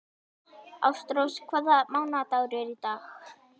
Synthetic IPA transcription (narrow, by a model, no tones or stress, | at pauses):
a̰wst̪ɾowskʰvɛðamawnat̪aːwɾʏɛɾit̪aːx